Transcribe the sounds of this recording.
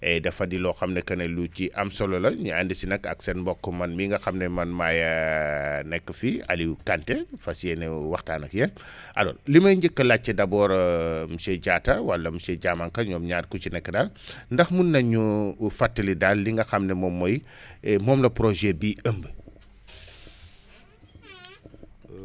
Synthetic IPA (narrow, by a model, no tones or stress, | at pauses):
ɛdɐfɐdilɔxɐmnɛkɐnɛluciʔɐmsɔlɔlɐɲuandisinɐkɐ̰ksɛnbɔkːɔmɐnmiŋɡɐxɐmnɛmɐnmaːjɐ | nɛkːəfiɐ̰likantɛfɐsiɛnɛwɐxtaːnɐkjɛn | ʔɐ̰lɔ̰ːnlimɐjɲɟəkːɐlat͡ʃːɐdɐbɔːɾmusɛɟaːtɐwɐlːɐmusɛɟamɐŋkɐɲɔːmɲat̚kut͡ʃinɛkːdalndɐxmunːɐɲufatːəlidalːiŋɡɐxɐmnɛmɔmːɔjmɔːmlɐpɾɔʒɛbiəmb